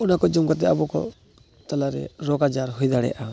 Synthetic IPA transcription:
unakɔd͡ʒumkat̪̬ɛabɔkɔ̰ | t̪alaɾɛ̰ɾɔkad͡ʒaɾɦujd̪aɽɛ̰jʔa

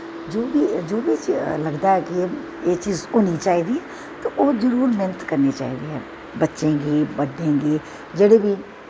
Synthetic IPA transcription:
d͡ʒoːbid͡ʒoːbit͡ʃləɡd̪aɦɛːki | eːt͡ʃiːzoːniːt͡ʃaːɦid̪iɦɛː | t̪oʔoːzəɾuːɾmeːnət̪kəɾnit͡ʃa̰ːɦḭːd̪iːɦɛ̰ː | bətːʃẽːɡiːbəɖːẽːɡiː | d͡ʒeːɽebʱiː

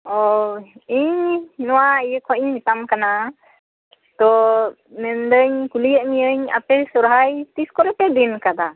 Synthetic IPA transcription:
ɔ | iɲnɔwaijəkʰɔiɲmit̪amkana | t̪ɔ | mɛnd̪əɲkulijaʔmiəɲa̰pɛsɔɾɦajt̪iskɔɾɛpɛd̪inkad̪a

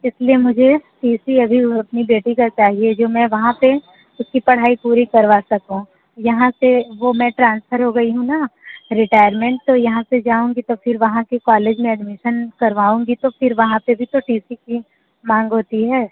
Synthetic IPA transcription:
ɪsliemʊd͡ʒʱeʈiːsiɐbʱiɐpnibeːʈikat͡ʃaːɦied͡ʒoːmɛ̃ːʋɐɦãpe | ʊskipɐɽ̤aːipuːɾikɐɾʋaːsɐkũ | jɐɦãseʋomɛ̃ʈɾãːnsfʰəɾɦoɡɐiɦũnaɾɪʈaːɪəɾmẽɳʈ̚t̪ojɐɦãsed͡ʒaːũːŋɡit̪ofʰɪɾʋɐɦãkikaːleːd͡ʒmẽɐɖmɪʃənkɐɾʋaːũːŋɡit̪ofʰɪɾʋɐɦãpebʱit̪oʈiːsiki | mãːŋɡɦoːt̪iɦɛː

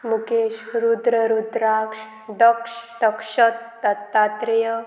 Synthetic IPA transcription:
mukeːʃɾud̪ɾɐɾud̪ɾaːkʂ | d̪ɐkʂd̪ɐkʂɐt̪ːɐt̪ːaːt̪ɾijɐ

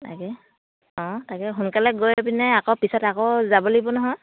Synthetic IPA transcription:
ta̰kɛ | ɔ̃takɛɦunkalɛɡojpinɛakɔpisɔtakɔzabɔlibɔnɔɦɔj

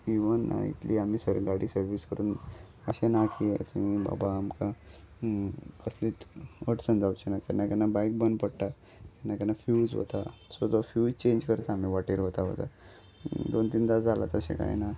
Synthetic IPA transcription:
iʋənːa̰ḭt̪liam̤iːsəɾɡaɽiːsəɾʋiskəɾuːn | əɕenakiet̪uiba̰baːmka | kəsliːt̪əʈsənd͡zawt͡ɕenakɛnːakɛnabajk̚bənpəɽʈ̪a | kɛnːakɛnafjuːd͡zɦo̰t̪asot̪ofjuːd͡zt͡ɕẽnd͡ʑkəɾt̪aːm̤iʋaʈiɾɦot̪aɦo̰t̪a | d̪ont̪iːnd̪ad͡zʱala̰t̪əɕḛ̃ka̰jḛna

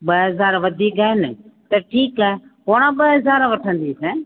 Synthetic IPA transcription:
ɓɐɦɐzaːɾʋɐd̪ʱiːkaːɦɪnɪt̪ɐʈʰiːkaːɦepoːɽ̃ãɓɐɦɐzaːɾʋɐʈʰə̃nd̪iːsɛ̃ː

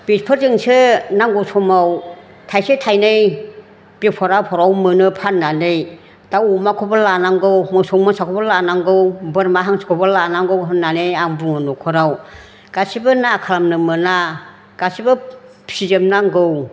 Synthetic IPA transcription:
b̥it̚pʰɯɾzɯŋsɯnaŋɡɯwsʰɔmaw | tʰajsetʰajnɯj | b̥ipʰɔɾawpʰɔɾawmɯnɯpʰanːanɯj | dawumakʰɔbɯlanaŋɡɯwmɯsɔŋmɯsakʰɔbɔlanaŋɡɯwbɯɾmaɦaŋsʰɯ̥kʰɔbɯlanaŋɡɯwɦɯnːanejaŋbuŋɯnɔkʰɔɾaw | ɡ̥asibɯnakʰalamnɯmɯna | ɡ̥asibɯ | sizemnaŋɡɯw

